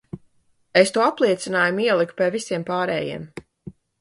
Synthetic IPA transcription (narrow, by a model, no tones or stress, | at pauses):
est̪uɔaplˠiɛt̪sinaːjumiɛlˠikpʲiɛvisiɛmpaːɾɛ̰ːjḭɛm